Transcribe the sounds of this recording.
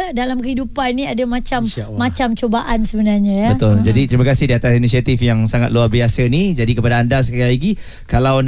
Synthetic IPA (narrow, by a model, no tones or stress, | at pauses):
dalamkəɦidupanniadamat͡ʃamːat͡ʃamt͡ʃobaʔansəbənarɲãjabət̪ʊld͡ʒadit̪ɾimakasɪhdiat̪asinisiat̪ifjaŋsaŋat̪luarbiasənid͡ʒadikəpadaːndas̬ə̥kaɾalaɡi | kalawn